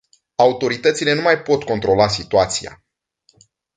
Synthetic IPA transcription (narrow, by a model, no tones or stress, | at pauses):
aut̪o̞ɾit̪ət̪sile̞numajpo̞t̪ko̞nt̪ɾo̞las̬it̪uat̪sija̰